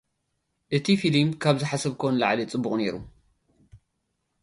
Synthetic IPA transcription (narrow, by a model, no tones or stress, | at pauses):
ʔɨt̪ʰifilmkʰaβzɨħasɐβkʰownla̰ʕlit͡sʼɨbːuχʼne̞̰ɾu